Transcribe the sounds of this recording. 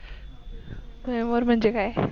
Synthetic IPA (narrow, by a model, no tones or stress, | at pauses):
moɾm̤əɳd͡ʑekaːe